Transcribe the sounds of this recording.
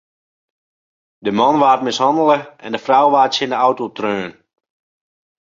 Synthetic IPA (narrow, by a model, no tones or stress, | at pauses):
dəmɑnʋaːtmɪshɑndəlˠəɛ̰ndəfrawʋaːtsɪndəawtotrøːn